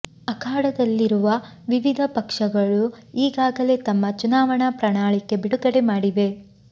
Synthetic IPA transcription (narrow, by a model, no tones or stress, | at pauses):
ɐkʰaːɽɐd̪ɐlːiɾuʋɐ | ʋiʋid̪ʱɐpɐkʂɐɡɐɭuiːɡaːɡɐle̞t̪ɐmːɐt͡ʃunaːʋɐɳɐpɾɐɳaːɭikːe̞biɽukɐɽe̞maːɽiʋe̞